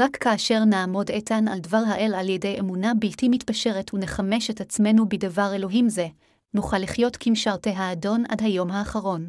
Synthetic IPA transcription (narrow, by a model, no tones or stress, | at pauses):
ʁakːaːʃe̞ʁnaːmo̞detʰana̰ldvaʁɦaʔe̞laljedejemunabiltimitpaʃe̞ʁetune̞χame̞ʃe̞tat͡sme̞nubidavaʁe̞lo̞ɦimze̞ | nuχalːiχjo̞tkʰimʃaʁte̞jɦaːdo̞nʔa̰dhajo̞mɦaːχaʁo̞n